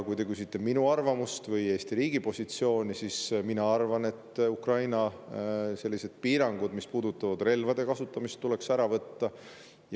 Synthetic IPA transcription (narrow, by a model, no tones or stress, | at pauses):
kujt̪ekysit̪ːe̞minuɑrvɑmust̪vɤje̞ːst̪iɾiːɡ̥ipo̞sʲit̪sio̞ːnʲisisminɑɑrvɑne̞t̪ːukrɑjnɑ | se̞lːise̞d̪̥̚piːɾɑŋɡ̥ud̪mispuːd̪ut̪ːˑɑvɑd̪̥re̞lvɑd̪e̞kɑsut̪ˑːɑmist̪ːule̞ksæɾɑvɤt̪ːɑ | j